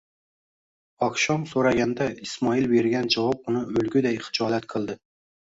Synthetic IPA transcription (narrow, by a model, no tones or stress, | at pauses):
ɒkʃɒmsoɾaɡʲand̪aismɒilbeɾɡʲand͡ʒɒvɑp̚ʊnɪɵlɡʲʊd̪ajχɨ̥d͡ʒɒlat̪qʰɨlˠd̪ɪ